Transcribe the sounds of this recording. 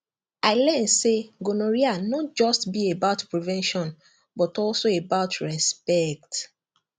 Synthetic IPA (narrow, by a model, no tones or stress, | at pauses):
aɪlɛ̃nseɡonoɹianɔt̚d͡ʒɔstbiebaʊtpɹivɛ̃nʃɔ̃n | bɔtɔlsoebaʊtʰɹɛspɛk̚t